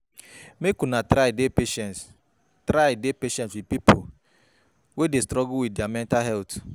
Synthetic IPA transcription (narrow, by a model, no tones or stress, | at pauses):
mekunatɾaɪdepeʃɛns | tɾaɪdepeʃɛ̃ntswid̚pipo | wedestɾɔɡʊwiddjamɛ̃ntalɦɛlt